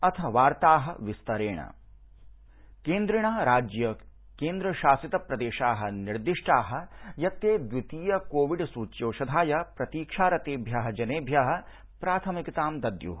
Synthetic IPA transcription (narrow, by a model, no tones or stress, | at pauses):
ɐt̪ʰɐʋaːɾt̪aːɦɐ̆ʋist̪ɐɾeːɳɐ̰ | keːnd̪ɾiɳaːɾaːd͡ʒjɐ | keːnd̪ɾɐʃaːsit̪ɐpɾɐd̪eːʃaːɦɐ̆niɾd̪iʂʈaːɦɐ̆jɐt̪jeːd̪ʋit̪iːjɐkoːʋiɖsuːt͡ʃjoːʃɐd̪ʱaːjɐpɾɐt̪iːkʂaːɾɐt̪eːbʱjɐɦɐd͡ʒɐneːbʱjɐɦɐ̆ | pɾaːt̪ʰɐmikit̪aːmd̪ɐd̪jṵɦ